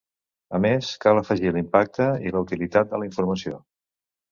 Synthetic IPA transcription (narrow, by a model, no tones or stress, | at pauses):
əmeskaləfəʒilimpak̚t̪əiləut̪ilit̪at̪̚d̪ələiɱfuɾməsio